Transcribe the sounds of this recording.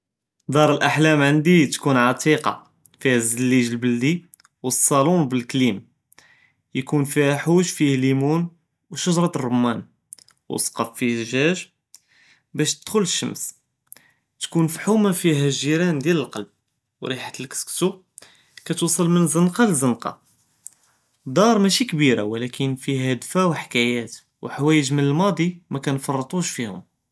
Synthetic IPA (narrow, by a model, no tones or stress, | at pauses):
d̪ˤɑɾˤəlʔaħlæmʕənd̪it̪kunʕɑt̪ˤʰiqɑ̰ | fihæzəlːiʒəlbəld̪i | wəsˤːɑlunbəlklim | jkunfihæħuʒfihlimun | wʃʊʒɾˤɑt̪rˤːomːæn | wsqɑffihʒæʒ | bæʃt̪əd̪̥xʊləʃːə̰ms | t̪kunfħumafiɦæʒiɾænd̪jæləlqɑlb̚ | wɾiħat̪əlkə̥skt̪u | kæt̪usˤɑlmənzənqɑləzənqɑ̰ | d̪ˤɑɾˤmæʃikbiɾa̰wlækʰənfiɦæd̪fæwħkæjæt̪ | wħawæjəʒmənəlmɑd̪ˤimækænfɑrˤːət̪ˤuʃfihʊ̰m